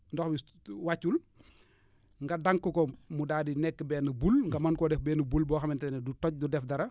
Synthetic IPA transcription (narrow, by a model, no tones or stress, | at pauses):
ndɔxbi | wacːul | ŋɡɐdaŋkːəkɔmudaːdinɛkːəbɛːnɐbulŋɡɐmɐnkɔdɛfbɛːnɐbulbɔːxɐmintɛnɛdutɔc̚dudɛfdɐɾɐ